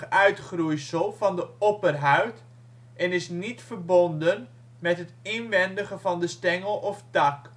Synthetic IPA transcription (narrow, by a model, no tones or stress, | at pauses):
œɥtχrujsəlˠvɑndəɔpərɦœɥt | ʔɛnɪsnitfərbɔndən | mɛtɦətɪnʋɛndəχəvɑndəstɛŋəlˠɔftɑk